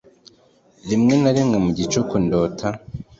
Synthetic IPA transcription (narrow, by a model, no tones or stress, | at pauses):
ɾimŋenaɾimŋemuɟit͡ʃokundoːtʰa